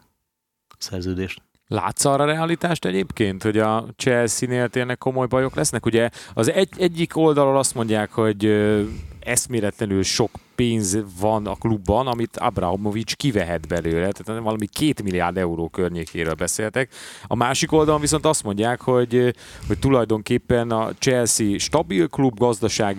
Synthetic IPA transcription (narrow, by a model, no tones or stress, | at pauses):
sɛrzøːd̪eːʃt̪ | la̰ːt̪sɒɾɒɾɛalit̪aːʃt̪ɛɟeːpkeːnt̪ho̞ɟɒt͡ʃɛlsineːlt̪eːrnɛkːo̞mo̞jbɒjo̞klɛsnɛkuɟɛɒzɛɛɟːiko̞ld̪ɒlolɒst̪mo̞ɲɟaːkho̞ɟ | ɛst̪meːlɛt̪lɛnylʃo̞kpeːnzvɒnɒ̰klubːɒnɒmit̪ɒ̰bra̰ɦomovit͡ʃkivɛɦɛd̪bɛløːɾɛt̪aːt̪nɛvɒlɒmikʰeːt̪milija̰ːrd̪ɛuɾoːkørɲeːkeːɾøːlbɛseːlt̪ɛkɒ̰maːʃiko̞ld̪ɒloɱviso̞nt̪ɒst̪mo̞ɲɟːaːkho̞ɟho̞ct̪ulɒjd̪o̞ŋkeːpːɛnɒ̰t͡ʃɛlsiʃt̪ɒbilklubɡɒzd̪ɒʃaːɡ